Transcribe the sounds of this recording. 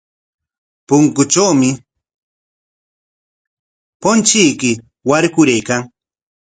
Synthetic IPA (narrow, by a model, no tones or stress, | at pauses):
pʊŋkʊt͡ʃawmɪ | pont͡ʃijkɪ | waɾkʊɾejkaŋ